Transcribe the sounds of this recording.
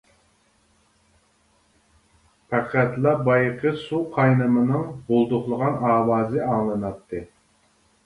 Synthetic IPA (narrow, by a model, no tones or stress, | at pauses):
pʰæqʰæt̪lˠɑbɑjqʰəsuqʰɑjnɨmɨnɨŋbolˠd̪ʊχlˠəʁɑnɑːwɑːzɨɑŋlˠɨnɑt̪ʰːɨ